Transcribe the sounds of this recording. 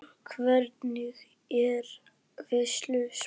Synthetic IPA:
kʰvɛɾt̪nʏɣ | ɛɾ | vɛslʏs

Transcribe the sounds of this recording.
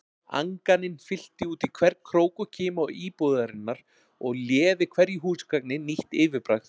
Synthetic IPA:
a̰ŋkanɪnfɪl̥t̪ɪuːt̪ikʰvɛɾkʰɾoːwkʏcʰɪːmɔiːpoːðaɾɪnːaɾ̥ | ɔɣljɛːvɪkʰvɛɾjiɦuːskaknɪniht̪ɪːvɪpɾaxt

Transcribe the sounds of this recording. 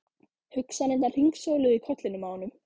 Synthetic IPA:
hʏksanent̪al̥iŋksoːwlʏikʰɔt̪lɪnʏmaːwnʏm

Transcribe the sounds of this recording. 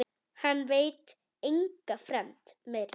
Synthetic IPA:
hanveːt | ɪŋkəfɾɛmt̪met

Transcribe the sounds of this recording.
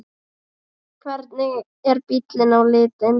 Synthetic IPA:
kʰvɛɾt̪nɪɣ | ɛɾpit̪lɪnawlɪːt̪ɪn

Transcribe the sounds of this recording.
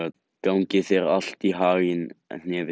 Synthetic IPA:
a | kawŋcɪθɛɾa̰l̥t̪iɦaːɣɪnn̥ɛːvɪ

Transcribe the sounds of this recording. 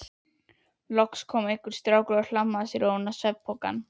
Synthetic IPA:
lɔkskʰɔːmehkʏɾ̥st̪ɾaːwkɾʏaɾl̥amːasiɾoːnasɛpʰːoka̰n

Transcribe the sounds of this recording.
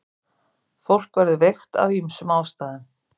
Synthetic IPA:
fowl̥kvaɾðɪvejxt̪a̰vimsʏmaːwst̪aːðɪn

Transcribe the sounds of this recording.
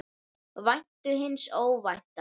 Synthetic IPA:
vajnt̪ʏɦɪnːsoːwvajht̪a

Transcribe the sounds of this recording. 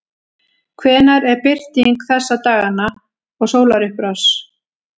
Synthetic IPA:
kʰvɛːnaɾɛɾpɪr̥t̪iŋkθɛsːat̪aːɣana | ɔɣsoːwlaɾʏhpɾas

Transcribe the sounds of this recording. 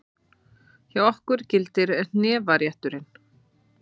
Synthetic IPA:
çawɔhkʏɾ̥cɪlt̪ɪɾɛn̥nɛːvaɾjaht̪ʏɾɪn

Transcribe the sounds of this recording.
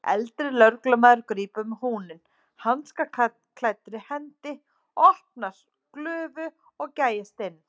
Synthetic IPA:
ɛ̰lt̪ɾɪlœɾklamaːðʏɾkɾiːpʏmhuːnɪn | hanːska | kʰl̥at̪ɾɪhɛnt̪ɪ | ɔhpnaɾ̥ | klœːvʏ | ɔɣcaːjast̪ɪn

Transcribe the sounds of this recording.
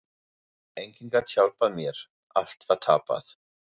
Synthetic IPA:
ɛŋkʰɪnɡatçalbamiːɾ | aɬtʰvatʰaːba̰θ

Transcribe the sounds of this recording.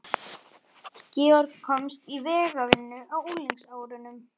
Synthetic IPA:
cɛːɔɾkkʰɔmst̪ivɛːɣavɪnːʏawuliŋksaːwɾʏnʏm

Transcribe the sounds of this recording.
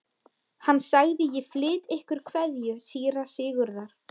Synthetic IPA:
hanːsaɣðɪjɪflɪːt̪ehkʏɾ̥kʰvɛðjʏsiːjɪɾ̥aðsɪːɣʏɾðaɾ̥

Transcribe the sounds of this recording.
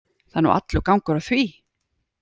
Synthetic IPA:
θanːṵʔa̰t̪lʏkawŋkʏɾaθviː

